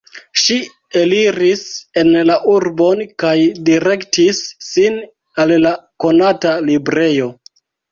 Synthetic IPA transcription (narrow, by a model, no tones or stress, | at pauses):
ʃi | eliɾise̞nlaʔuɾbo̞nkajdiɾe̞ktisːin | allako̞natalibɾe̞jo̞